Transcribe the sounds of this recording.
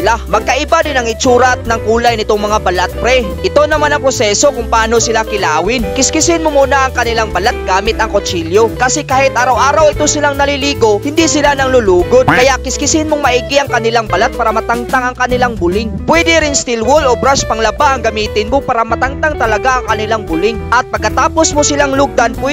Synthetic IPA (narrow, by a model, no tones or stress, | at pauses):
ɪlamɐɡ̚kɐʔɪbadɪnɐŋɪt͡ʃuːɾɐt̪̚nɐŋkuːlajnɪt̪oŋmɐŋabɐlat̪̚pɾɛʔɪt̪onɐmanɐŋpɾosɛso̞kʊŋpɐaːno̞sɪlakɪlaːwɪnkɪskɪsɪnmomuːnɐʔɐŋkɐnɪlaŋbɐlat̪̚ɡaːmɪt̪ɐŋkot͡ʃiljo̞kɐsɛkaːhɪt̪̚ʔaːɾɐwʔaːɾɐwɪt̪osɪlaŋnɐliliːɡo̞hɪnd̪isɪlanɐŋlʊluːɡod̪kɐjaʔkɪskɪsɪnmoŋmɐʔiːɡɪʔɐŋkɐnɪlaŋbɐlat̪̚paːɾɐmɐt̪aŋt̪aŋɐŋkɐnɪlaŋbʊlɪŋpwɛd̪ɪɾɪnst̪ɪlwolobɾaspɐŋlɐbaʔɐŋɡɐmiːt̪ɪnmopaːɾɐmɐt̪aŋt̪aŋt̪ɐlɐɡaʔɐŋkɐnɪlaŋbʊlɪŋʔɐt̪̚pɐɡ̚kːɐt̪aːpo̞smosɪlaŋlʊɡ̚d̪anpwɛ